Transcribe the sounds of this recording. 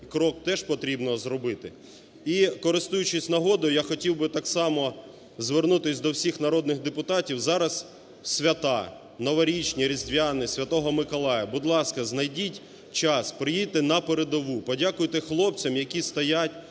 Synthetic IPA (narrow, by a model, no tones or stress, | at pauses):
kɾɔk̚t̪ɛʒpɔt̪ɾʲibnɔzɾɔbɪt̪ɪ | ikɔɾɪst̪ujʊt͡ʃɪsʲnɐɦɔd̪ɔjjaxɔtʲiwbɪt̪ɑksɑmɔ | zʋernut̪ɪsʲd̪ɔwsʲixnɐɾɔd̪nɪxd̪epʊt̪ɑtʲiwzɑɾɐs | sʲʋʲɐt̪ɑ | nɔʋɐɾʲit͡ʃnʲiɾʲizʲd̪ʲʋʲjanɪsʲʋʲɐt̪ɔɦɔmɪkɔlˠɑjɐbʊd̪lˠɑskɐznɐjdʲitʲ | t͡ʃɑspɾɪjit̪ɪnɐpeɾed̪ɔʋupɔdʲakʊjt̪ɛxlˠɔp̚t͡sʲɐmjɐkʲist̪ɐjatʲ